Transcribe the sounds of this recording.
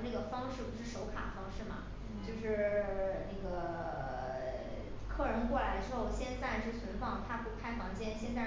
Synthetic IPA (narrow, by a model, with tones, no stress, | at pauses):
na˥˩ɡə˩fɑ˥ŋʂɻ̩˥˩pu˧˥ʂɻ̩˥˩ʂo˧˥ʊkʰa̰˨˩ə˦fɑ˥ŋʂɻ̩˥˩mɐ̰˩ | t͡ɕt͡ɕjo˥˧ʊʂɻ̩˥˩na˥˩ɡə˩ | kʰɤ˥˩ɻɤ˧˥nkwɔ˥˩la˧˥ɪə˧ʈ͡ʂɻ̩˥xo˥˩ʊ˨˩ɕjɛ˥˧nt͡sa˥˧ɪʈ͡ʂo˥˩ɕi˧˥nfɑ˥˩ŋt̪ʰa˥pu˥˩kʰa˥ɪfɑ˧˥ŋt͡ɕjɛ˥nɕjɛ˥˧nt͡sa˥˩